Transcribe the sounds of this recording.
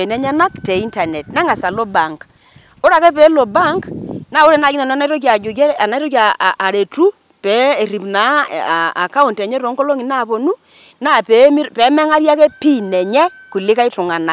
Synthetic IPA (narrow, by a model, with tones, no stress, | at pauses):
e˨nɛ˦ɲɛ˦na˦kte˨i˦nta˨ne˨t̚nɛ˦ŋa˨sa˨lo˦ba˨ŋk | o˦ɾa˨kɛ˦pɛ˨˦lo˨ba˦ŋkna˦˨o˦ɾɛ˨na˨ki˦na˨na˦na˦tɔ˦k̬ja˨d͡ʒu˨k̬ɛ˦a˨na˦tɔ˦kaː˨ɾe˨tu˦ | pɛ˨˦e˨ɾi˨pna˨˦˨a˨ka˦u˨ntɛ˨ɲɛ˦ɾo˨˦ŋkɔ˦lo˦ŋi˨na˦˨po˨nu˦ | na˦˨pe˨˦m˦pɛ˨˦mɛ˦ŋa˦ɾja˦kɛ˦pi˦nɛ˨ɲɛ˦ | ku˨lɪ˦ka˦ɪ˦tʊ˨ŋa˨na˨